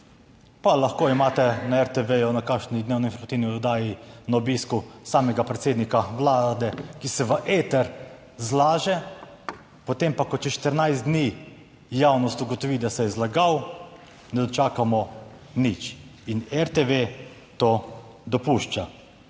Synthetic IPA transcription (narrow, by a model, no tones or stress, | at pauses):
palaxkoːimaːt̪ɛnaɛɾt̪ɛʋejunakaːkʃnid̪neːwnɔinfɔɾmɐt̪iwniɔd̪aːjinaobiːskusaːmɛɡapɾɛt̪seːd̪nikaʋlaːd̪ɛkisɛʋəʔeːt̪ɛɾ | zlaːʒɛ | pot̪empakɔt͡ʃɛʃt̪əɾnajzd̪niː | jawnɔst̪uɡɔt̪ɔʋid̪asɛjɛzlaɡaw | nɛd̪ɔt͡ʃaːkamɔ | nit͡ʃinɛɾt̪eʋe | t̪oː | d̪ɔpuʃt͡ʃa